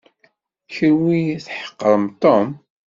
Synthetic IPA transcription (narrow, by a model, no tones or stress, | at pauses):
çəɾwiθħə̥qːəɾˤəmt̪ˤom